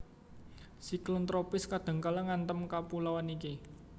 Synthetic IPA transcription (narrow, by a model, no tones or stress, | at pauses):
siklənt̪ɾopɪskad̪̥ə̤ŋkalaŋant̪əmkapulawaniki